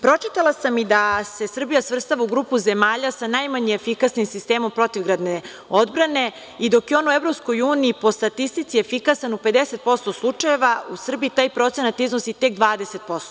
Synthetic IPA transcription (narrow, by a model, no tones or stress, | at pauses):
pɾo̞t͡ʃit̪alasamid̪ase̞sr̩bijasʋr̩st̪aʋauɡɾuːpuze̞maːʎasanajmaɲeefikasnimsist̪eːmo̞mpɾo̞t̪iʋɡɾad̪ne | o̞d̪bɾane̞ | id̪o̞keo̞nuevɾopsko̞juːniːpo̞st̪at̪ist̪it̪siefikasanupe̞d̪ese̞t̪̚po̞st̪o̞slˠut͡ʂaje̞ʋausr̩biit̪aːjpɾo̞t̪se̞nat̪iznosit̪e̞kd̪ʋaːd̪eset̪̚po̞st̪o